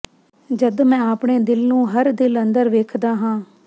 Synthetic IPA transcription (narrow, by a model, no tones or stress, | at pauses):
d͡ʒəd̪mɛ̃ːaːpɳeːd̪ɪlnũːɦəɾd̪ɪlənd̪əɾʋeːkʰd̪aːɦãː